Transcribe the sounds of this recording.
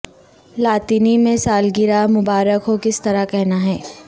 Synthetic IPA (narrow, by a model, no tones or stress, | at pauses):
laːt̪iːnimẽsaːlɡɪɾamʊbaːɾəkɦokɪst̪ɐɾakɛɦnaɦɛː